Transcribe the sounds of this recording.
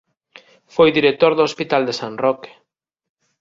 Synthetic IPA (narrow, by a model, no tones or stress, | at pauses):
fojðiɾek̚t̪oɾðoospit̪ald̪esanrɔke̥